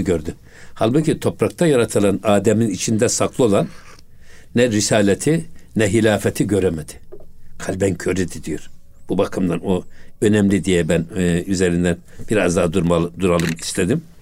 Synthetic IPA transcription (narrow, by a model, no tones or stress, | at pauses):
ɟøɾd̪y | halʲˠbucit̪ʰo̞pɾak̚t̪ʰajaɾat̪ʰɯlˠanaːd̪ɛminit͡ʃʰind̪ɛsakʰlˠɯo̞lˠanː | ɛɾisaːlʲɛt̪ʰinɛɦilʲaːfɛt̪ʰiɟø̞ɾɛmɛd̪̥ɪ̥kʰalʲbɛncʰøɾid̪id̪ijoɾ̥ | b̥ubakʰɯmd̪anoø̞nɛmlʲid̪ijɛbænyzeɾind̪ænb̥iɾazd̪aːd̪umad̪uɾalˠɯmist̪ʰɛd̪im